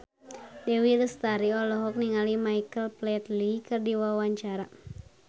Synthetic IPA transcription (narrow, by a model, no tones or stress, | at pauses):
dɛwilst̪aɾiɔlɔɦɔk̚niŋalimaikəlplɛt̪likɨrdiwawaɲt͡ʃaɾa